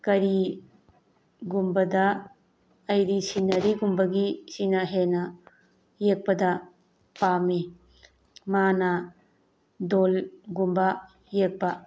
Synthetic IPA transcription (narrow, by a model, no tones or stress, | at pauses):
kɐɾi | ɡumbɐdɐː | jɾisinɐɾiɡumbɐɡisinɐɦenɐ | jek̚pɐdɐ | pami | manɐ | dolɡumba | jek̚pɐ